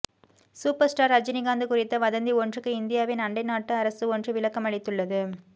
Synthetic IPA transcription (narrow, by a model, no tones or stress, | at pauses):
suːpɐɾsʈaːɾɐd͡ʒɪnɪɡaːnd̪ɯkʊrɪt̪ːɐʋɐðɐnd̪iɔndrɯkːɯɪnd̪ɪjaːʋenɐɳɖɐɪnaːʈːɯɐɾɐsɯɔndrɯʋɪɭɐkːɐmɐɭɪt̪ːɯɭːɐðɯ